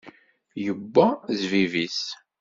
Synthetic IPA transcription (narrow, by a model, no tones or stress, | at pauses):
jəbːæzvivis